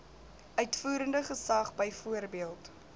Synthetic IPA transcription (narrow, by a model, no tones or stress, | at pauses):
ʔœɥtfuːɾəndəχəsɐχbəjfuərbiəlˠt